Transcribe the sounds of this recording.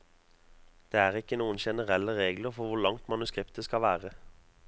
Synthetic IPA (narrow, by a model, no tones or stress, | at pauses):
d̪̥eːæːʁɪkːənuːənʃɛnəʁɛlːəʁeːɡləʁfɔʁʋʊʁlɑŋt̪mɑnʉskʁɪpt̪əskɑʋæːʁə